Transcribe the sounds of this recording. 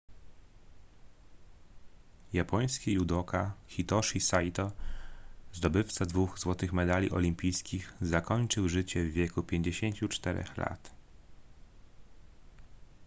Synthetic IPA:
japɔɲ̃skʲijud̪ɔkaxʲit̪ɔʂisajt̪ɔ | zd̪ɔbɘft̪sad̪vuxzwɔt̪ɘxmɛd̪alʲiʔɔ̰lʲimpʲijskʲixzakɔɲt͡ʂɘwʐɘt͡ɕɛvːʲjɛkupʲjeɲd͡ʑeɕeɲt͡ɕut͡ʂt̪ɛɾɛ̰xla̰t̪

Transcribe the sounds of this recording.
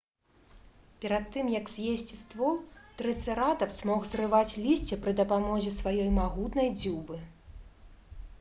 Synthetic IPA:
pʲɛɾat̪ːɨmjɐkzʲjesʲt͡sʲist̪vɔlt̪ɾɨt̪sɨɾat̪ɐpz̥ʲmɔxzrɨvat͡sʲlʲisʲt͡sʲɛpɾɨd̪ɐpamɔzʲɛsvajɔjmaɣut̪nɐjd͡zʲubɨ

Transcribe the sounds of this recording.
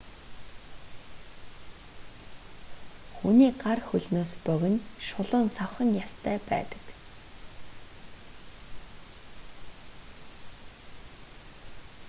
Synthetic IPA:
xuniːɢarxɵɮnoːspœɣɘ̆nʃʊɮʊːnsawχə̆njast̪ʰæːpæ̰ːt̪ə̥̆k

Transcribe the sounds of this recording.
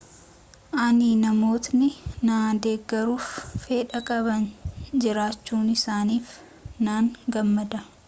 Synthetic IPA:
ʔɐnɪnɐmo̞ːt̪nɪnaːd̪e̞ːɡːɐɾuːfːeːᶑɐkʼɐbɐnd͡ʒɪɾaːt͡ʃːuːnɪsaːniːf | naːŋɡɐmːɐd̪ɐ

